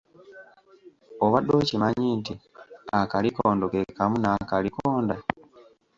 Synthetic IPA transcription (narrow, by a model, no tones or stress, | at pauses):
oβadːocimaɲiːntiakalikoːndokekamunakalikoːnda